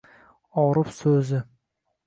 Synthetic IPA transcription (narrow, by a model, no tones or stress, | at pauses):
ɒɾɪpsɵzɪ